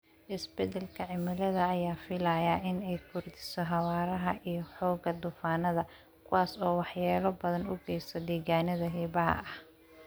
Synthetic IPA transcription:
ʔɪsbɛd̪ɛlkʰɐʕɪmɪlɐðɐːjaːfɪlaːjaʔɪnɛjkʰʊrd̪ɪ̥sɔɦɑwaːɾɐɦɐʔijɞħɔːɡɐd̪ʊfaːnɐðɐ | kʰʊwaːsɔːwɑħjaːlɔbɐðɐnʊɡɛjsɔd̪iːɣaːnɐðɐɦiːβɐɦɐ̰ɐh

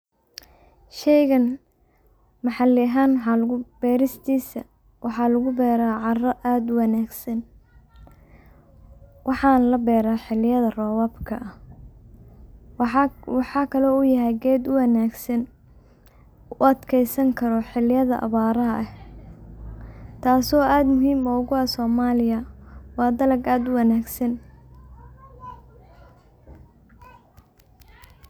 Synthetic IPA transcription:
ʃɛjɣɐn | mɑħɑlɪɐɦaːnwħɑlʊb̥ɛːɾɪst̪ʰiːsɐ̰ | wɑħɑlɐɣʊbɛːɾaːʕɑrɔʔaːd̪ʊwɑnaːɡsɐn | wʔɑħɑːnlɐbɛːɾaːħɪlɪjɐðɐrɔːwaːbkʰɐʔɐh | wɑħɑːkʰɐlɔʊjɐɦɛjɡɛːd̪ʊwɐnaːɡsɐn | ʊɐd̪kʰɛjsɐŋkʰɐɾɔħɪlɪjɐðɐ̰ʔɐ̰βaːɾɐɦɐʔɐh | t̪ʰaːsɔːaːd̪mʊɦiːmɔːɣʊɐsɔːmaːlɪjɐwɑːd̪ɐlɐɡaːd̪ʊwɐnaːɡsɐn

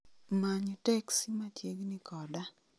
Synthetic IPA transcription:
maɲɔtɛksimatjeɡnɪkɔda

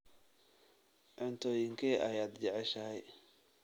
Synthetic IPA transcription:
ʕʊnt̪ʰɔːjɪŋkʰɛːʔɐjaːd̪d͡ʒɛʕɛʃɐɦɛj

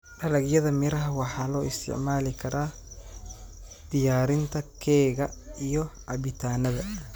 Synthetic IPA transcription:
ɖɐlɐɡjɐðɐmɪɾɐɦɐwɑħɑːlɔːɪst̪ʰɪ̰ʕmaːlɪkʰɐɾʔaː | d̪̥ɪjaːɾɪnt̪ʰɐkʰɛːɣɐijɔʔɐβɪt̪ʰaːnɐðɐ

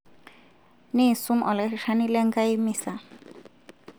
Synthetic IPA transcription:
nesumʔɔlekʃanilɛŋkajmisa

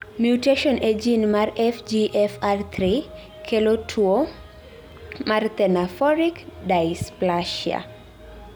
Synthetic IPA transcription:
mjuteʃɔned͡ʒinmarɛfd͡ʒiʔɛfart̪ʰɾi | kʰelotʰuo | mart̪ɛnafɔɾikdajsplaʃia̰

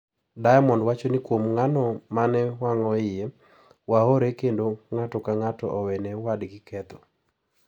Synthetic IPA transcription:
dajmɔndwat͡ʃonikwomŋanɔmanɛwaŋɔɪje | waɦoɾekendoŋatɔkaŋatɔʔɔwɛnɛwadɡikʰɛt̪ɔ

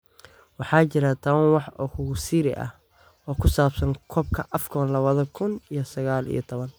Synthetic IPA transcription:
wɑħɑːt͡ʃɪɾɐt̪ʰɐwɐnwɑħɔhʊɣʊsiːɾɪ̰ʔɐ̰h | ɔːkʰʊsaːbsɐŋkʰɔːb̚kʰɐʔɐfkʰɔnlɐβɐðɐkʰʊnijɔsɐɣaːlḭjɞt̪ʰɔβɐn

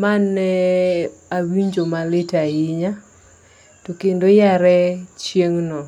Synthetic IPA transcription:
manɛ | awiɲd͡ʒomalɪtaiɲa | tokendojaɾɛt͡ʃjeŋnɔ

